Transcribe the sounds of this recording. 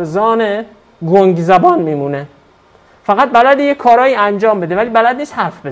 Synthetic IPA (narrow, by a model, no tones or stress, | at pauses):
zɒːne | ɡoŋɡzæbɒːnmiːmuːne | fæɣæt̪̚bælæd̪ijekʰːɒːɾɒːjiːænd͡ʒɒːmbe̞d̪e̞væliːbælæd̪niːshæɾfbe